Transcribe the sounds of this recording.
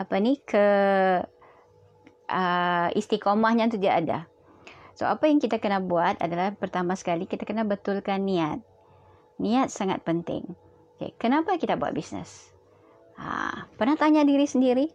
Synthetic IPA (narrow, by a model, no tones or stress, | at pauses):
apanikʰə | ʔəist̪ikomahɲat̪udiaʔada̰ | so̰apajaŋkit̪akənabuat̪a̰dalahpərt̪amasə̥kalikit̪akənabət̪ʊlkanːiat̪̚ | niat̪̚saŋa̰t̪̚pənt̪ɪ̰ŋ | kḛkənapakit̪abua̰bisnə̰s | a̰pərnaht̪aɲadiɾisəndiɾi